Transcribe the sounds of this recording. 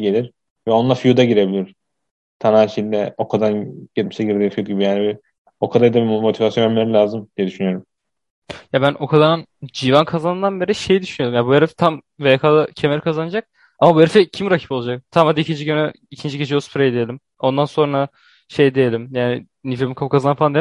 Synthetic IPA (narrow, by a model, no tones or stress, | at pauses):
ɟelʲiɾ | vɛo̞nlˠafijud̪aɟiɾe̞bilʲiɾ̥ | t̪ʰananʃed̪ɛo̞kʰad̪anɟ̥et̪misɛɟiɾd̪ʲiːnfijud̪ɟibijaːnibi | o̞kʰad̪ajd̪abimo̞t̪ʰivasjonɛlmeɾilʲaːzɯmd̪̥ijɛd̪yʃynyjo̞ɾum | jabænʔo̞kʰad̪anɯnd͡ʒivankʰazanɯnd̪anbeɾiʃejd̪yʃynyjo̞ɾumjabueɾift̪ʰam | vekʰalˠɯcʰemeɾikʰazanad͡ʒak̚ | amabueɾfɛcʰimɾacʰi̥po̞lˠad͡ʒak̚t̪ʰamad̪aicʰind͡ʒiɟønɛ | icʰind͡ʒiɟed͡ʒispʰɾejd̪ejelʲim | o̞nd̪anso̞nɾa | ʃe̞jd̪ejelʲimjaːnɪ | nifemikʰapkʰazanɯfaland̪e